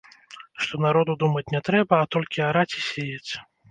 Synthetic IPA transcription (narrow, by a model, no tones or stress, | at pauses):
ʂt̪ɔnaɾɔd̪ud̪umɐt͡sʲnʲɛt̪ɾɛbɐːt̪ɔlʲkʲiaɾat͡sʲi̥sʲejet͡sʲ